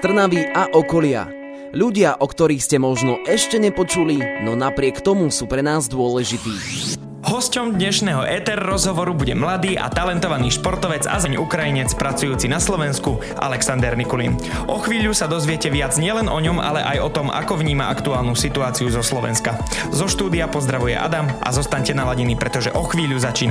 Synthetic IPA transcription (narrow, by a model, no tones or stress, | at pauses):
st̪r̩naʋiʔaʔɔkɔlɪa̰ | ʎuɟɪaʔɔkt̪ɔɾiːxscɛmɔʒnɔʔɛʃcɛɲɛpɔt͡ʃulinɔnapɾɪɛkt̪ɔmusuːpɾɛnaːzd̪ʊɔlɛʒit̪iː | ɦɔscɔmd̪ɲɛʃnɛːɦɔʔɛt̪ɛɾːɔzɦɔʋɔɾubuɟɛmlad̪iːʔa̰t̪alɛnt̪ɔʋaniːʃpɔɾt̪ɔʋɛd͡za̰zaɲʔukɾajiɲɛt͡spɾat͡sujuːt͡sinaslɔʋɛnsku | ʔa̰lɛksand̪ɛɾnikulḭn | ʔɔxʋiːʎusad̪ɔzʋɪɛcɛʋɪad͡zɲɪɛlɛnʔɔɲɔmʔa̰lɛ̰ʔa̰jɔt̪ɔma̰kɔʋɲiːmaakt̪uaːlnusit̪uaːt͡siuzɔslɔʋɛ̰nska | zɔʃt̪uːd̪iapɔzd̪ɾaʋujɛ̰ʔa̰d̪amʔa̰zɔst̪aɲcɛnalaɟinipɾɛt̪ɔʒɛ̰ʔɔxʋiːʎuzat͡ʃiːna